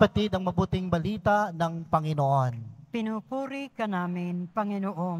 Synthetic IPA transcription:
pɐt̪id̪ɐŋmɐbuːt̪ɪŋbɐliːt̪anɐŋpɐŋɪnoʔonpɪnupuːɾikɐnaːmɪnpɐŋɪnoʔo

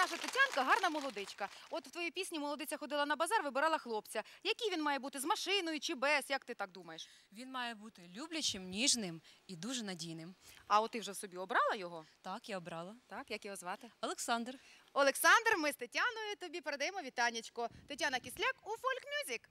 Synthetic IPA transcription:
nɑʃɐt̪ɪtʲankɐɦɑrnɐmɔlˠɔd̪ɪt͡ʃkɐɔt̪wt̪ʋɔjipʲisʲnʲimɔlˠɔd̪ɪt͡sʲɐxɔd̪ɪlˠɐnɐbɐzɑrʋɪbɪɾɑlˠɐxlˠɔpt͡sʲɐjɐkʲijʋʲinmɑjɛbut̪ɪzmɐʃɪnɔjʊt͡ʃɪbɛsjɐk̚t̪ɪt̪ɑɡ̚d̪umɐjeʃʋʲinmɑjɛbut̪ɪlʲublʲɐt͡ʃɪmnʲiʒnɪmid̪uʒɛnɐdʲijnɪmɐɔt̪ɪwʒɛwsɔbʲiɔbɾɑlˠɐjɔɦɔt̪ɑkjaɔbɾɑlˠɐt̪ɑkjɐkjɔɦɔzʋɑt̪ɪɔlˠeksɑnd̪rɔlˠeksɑnd̪rmɪst̪etʲanɔjʊt̪ɔbʲipeɾed̪ɐjemɔʋʲit̪ɑnʲːit͡ʃkɔt̪etʲanɐkʲisʲlʲakufɔlʲkmʲuzʲɪk

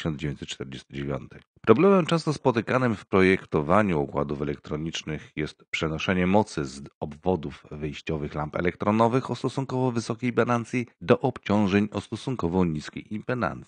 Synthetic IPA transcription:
ɕɔnd͡ʑevʲeɲt͡ɕsɛt̪t͡ʂt̪ɛɾd͡ʑest̪ɘd͡ʑevʲjɔ̰nt̪ʰɘ̥ | pɾɔblɛmɛmt͡ʂɛ̃ñst̪ɔspɔt̪ɘkanɘmfpɾɔjɛkt̪ɔvaɲuɔkwa̰d̪ufɛlɛkt̪ɾɔɲit͡ʂnɘxjɛst̪pʂɛnɔʂɛɲɛmɔt̪sɘzɔbvɔd̪ufvɘjɕt͡ɕɔvɘxlampɛ̰lɛkt̪ɾɔnɔvɘxɔst̪ɔsuŋkɔvɔvɘsɔkʲejbalant̪sʲjid̪ɔʔɔpt͡ɕɔ̃w̃ʐɛɲɔst̪ɔsuŋkɔvɔɲiskʲḛjimpɛna̰nt̪si̥

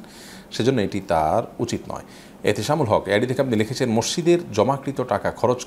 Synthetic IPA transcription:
ʃed͡ʑonːoeʈit̪a̰ɾut͡ɕit̪nɔ̰e | ḛt̪eʃamulɦɔkɛɖid̪ʰʱekeapnilekʰet͡ɕʰenmoʃːid̪eɾd͡ʑɔmakɾit̪oʈakakʰɔɾot͡ɕ

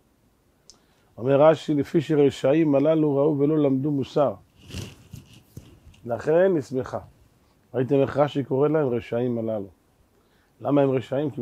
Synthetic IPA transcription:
o̞me̞ʁːaʃilefiʃeʁeʃaimalaluʁauve̞lo̞lamd̪umusaʁ | velaχe̞nːismeχa | ʁait̪emeχʁaʃiko̞ʁe̞lahe̞mʁeʃaimalalu | lamaemʁeʃaimk

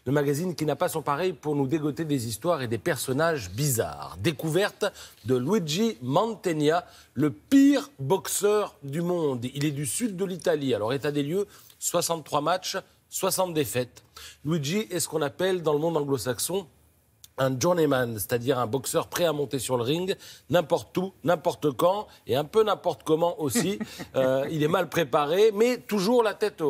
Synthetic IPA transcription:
ləmaɡazinkʲinapasɔ̃paʁɛjpuʁnud̪eɡɔt̪ed̪ezist̪waʁed̪epɛʁsɔnaʒbiza̰ʁd̪ekuvɛʁt̪d̪əlwiʒimɑ̃nt̪enja | ləpiʁbɔksœʁd̪ymɔ̃d̪ilɛd̪ysyd̪̚ːəlit̪alialɔʁet̪ad̪eljø | swasɑ̃t̪ːχwamat͡ʃ | swasɑ̃t̪̚d̪efɛt̪lwiʒiʔɛsə̥kɔ̃napɛld̪ɑ̃ləmɔ̃d̪ɑ̃ɡlosaksɔ̃ | ɛ̃ʒuʁnemanse̥t̪ad̪iʁɛ̃bɔksœʁpχɛamɔ̃t̪esyʁləʁĩŋɡnɛ̃pɔʁt̪unɛ̃pɔʁt̪əkɑ̃ | eɛ̃pønɛ̃pɔʁt̪kɔmɑ̃ʔosiøilɛmalpχepaʁemɛt̪uʒuʁlat̪ɛt̪

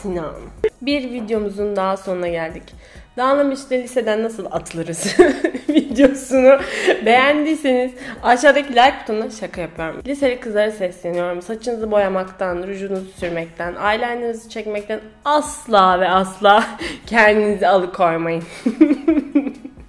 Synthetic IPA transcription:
sinabiɾvid̪jo̞muzund̪aɦaso̞nɾaɟælʲd̪ic | d̪̥aːnlˠamɯʃlɛlʲise̞d̪ænːasɯlˠa̰t̪ʰɯlˠɯɾɯz̥vid̪jo̞sunube̞jænd̪iːseniz̥aʃaːd̪acilʲajk̚pʰu̥t̪ʰunaʃakʰajapʰɯjo̞ɾumlʲise̞lʲikʰɯzlˠaɾɯsɛslʲenijo̞ɾumsat͡ʃʰɯnɯzɯbo̞jamakt̪ʰanɾud͡ʒuːnuzusyɾmɛc̚t̪ʰænʔaːjlʲænʲinizit͡ʃʰɛcmɛc̚t̪æn | aslˠaːvɛaslˠaːcʰɛnd̪inizɛalˠɯkʰo̞jmajɯn

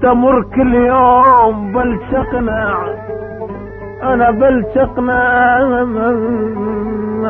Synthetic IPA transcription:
t̪amʊrˤkɪlːjoːmbaltaqnaʕ | ʔanabaltaqna

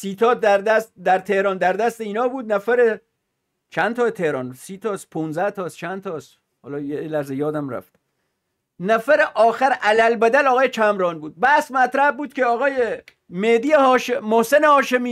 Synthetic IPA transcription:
siːt̪ʰɒːd̪æɾd̪æst̪d̪æɾt̪ʰe̞hɾɒːnd̪æɾd̪æst̪eiːnɒːbuːd̪̚næfæɾe | t͡ʃʰænt̪ʰɒːt̪ʰehɾɒ̰ːnsiːt̪ʰɒːspʰunzæht̪ʰɒːst͡ʃʰæn̚t̪ʰɒːs | hɒ̰ːlɒːjelæhzejɒːd̪æmɾæ̰ft̪ | næfæɾeʔɒːxæɾʔælælbæd̪ælɒːɣɒːjet͡ʃʰæmɾɒːnbuːd̪̚bæsmæt̪ɾæhbuːd̪kʲʰeɒːɣɒːje | med̪iːjehɒːʃemohsenehɒːʃe̞miː

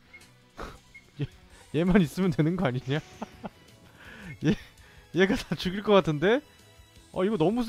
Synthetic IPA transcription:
jeje̞maɲis͈ɯmjʌntwe̞nɯnɡʌaɲiɲa | jejeɡatat͡ɕuɡiɭk͈ʌk͈atʰɯnde̞ | ʌ̰iɡʌnʌmus̬ʰ

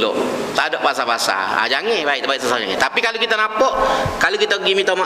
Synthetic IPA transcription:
lʊ̰ʔt̪adɔʔbasabaasa̰a̰d͡ʒaŋebaɪʔ̪baɪʔsasad͡ʒaŋɛ̰t̪apikalokit̪anapɔʔkalokit̪aɡimit̪ama

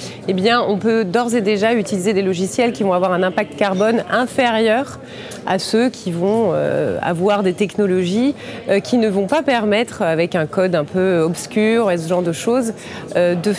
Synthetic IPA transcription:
ebjɛ̃ʔɔ̃pød̪ɔʁzed̪eʒayt̪ilized̪elɔʒisjɛlkʲivɔ̃avwaʁɛ̃nɛ̃pak̚t̪kaʁbɔnɛ̃feʁjœʁ | a̰søkʲʰivɔ̃ø̰a̰vwaʁd̪et̪ɛknɔlɔʒikʲʰinəvɔ̃papɛʁmɛt̪χavɛkɛ̃kɔd̪ɛ̃pøɔpskʲyʁes̬əʒɑ̃ʁd̪əʃoz | ød̪ə

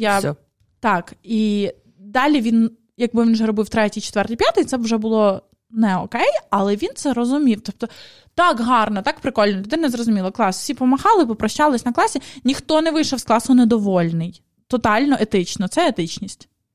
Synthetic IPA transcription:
ja | t̪ɑki | d̪ɑlʲiʋʲin | jɐk̚bɪʋʲinʒɛɾɔbɪwt̪ɾɛtʲijt͡ʃe̥t̪ʋɛrt̪ɪjpʲjat̪ɪjt̪sɛwʒɛbʊlˠɔ | nɛɔkɛjɐlˠɛʋʲint̪sɛɾɔzʊmʲiwt̪ɔp̚t̪ɔ | t̪ɑkɦɑrnɔt̪ɑkpɾɪkɔlʲnɔlʲʊd̪ɪnnɛzrɔzʊmʲilˠɐklˠɑswsʲipɔmɐxɑlˠɪpɔpɾɔʃt͡ʃɑlˠɪsʲnɐklˠɑsʲinʲixt̪ɔnɛʋɪjʃɔwsklˠɑsʊned̪ɔʋɔlʲnɪj | t̪ɔt̪ɑlʲnɔʔet̪ɪt͡ʃnɔt̪sɛet̪ɪt͡ʃnʲisʲtʲ

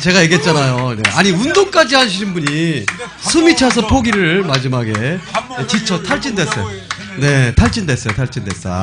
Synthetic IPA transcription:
t͡ɕe̞ɡaje̞ɡe̞t̚t͡ɕ͈anajone̞̰aɲiundoŋk͈ad͡ʑiɦanɕʰiɾinbuɲi | sʰumit͡ɕʰas̬ʰʌpʰoɡiɾɯɭmad͡ʑimaɡe̞et͡ɕit͡ɕʰʌtʰaɭt͡ɕ͈indwe̞s͈ʌjo | ne̞tʰaɭt͡ɕ͈indwe̞s͈ʌjotʰaɭt͡ɕ͈indwe̞s͈a̰

